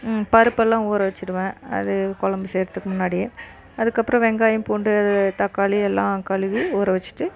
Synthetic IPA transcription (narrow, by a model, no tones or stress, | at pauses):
pɐɾɯpːɛlːãːuːɾɐʋɐt͡ʃːɪɾɯʋẽːɐ̰ðɯkɔɭɐmbɯseːɾɐt̪ːɯkːɯmʊnːaːɽɪjɐ | ɐðɯkːɐpːɯɾɐ̃ʋɛŋɡaːjɯ̃mpoːɳɖɯɐðɯt̪ɐkːaːliɛlːãːkɐɭɯʋiuːɾɐʋɐt͡ʃːɯ̥ʈːɯ